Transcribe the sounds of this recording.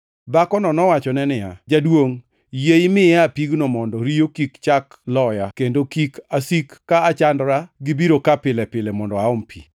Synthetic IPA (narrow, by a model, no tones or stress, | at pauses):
bakɔnɔnɔwat͡ʃɔnɛnɪja̰d͡ʒadwoŋ | jeimɪapiɡnɔmɔndɔɾijokikt͡ʃak | lɔjakendokikasikːaːt͡ʃandɾaɡɪbiɾokapɪlɛpɪlɛmɔndɔaʊmpʰḭ